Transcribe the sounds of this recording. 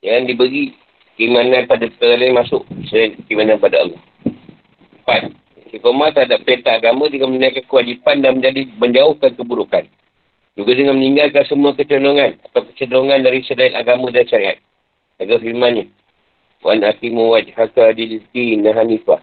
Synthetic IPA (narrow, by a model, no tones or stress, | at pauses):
jaŋdibəɡi | kəimanãnpadakəɡalamasʊʔsədankəimananpadaə̰lɔh | əpat̪̚ | sikomat̪aɦadap̚pent̪aːɡamãdəŋamənakankəwad͡ʒipandaŋmə̃ɲd͡ʒadiməɲd͡ʒaʊhkankəbuɾukan | d͡ʒuɡadəŋanməniŋɡalkansəmuakət͡ʃənoŋanat̪awkə̥t͡ʃədoŋandaɾisədainaɡamãdanʃaɾia̰t̪̚ | saɡafiɾmanɲə | wa̰nakimuwad͡ʒhakadilit̪inaɦanita